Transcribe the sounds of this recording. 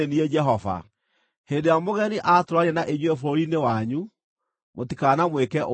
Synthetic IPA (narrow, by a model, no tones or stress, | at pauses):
eniɛd͡ʒɛɦɔva̰ | hendejamoɣɛniʔatoɾwaɾɛnaʔeɲwɛfoɾinewaɲu | motikaːnamwekɛʔo